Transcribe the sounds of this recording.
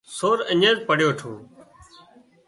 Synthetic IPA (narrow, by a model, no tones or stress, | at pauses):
soːɾəɲẽːzpəɽ̤joːʈʰũː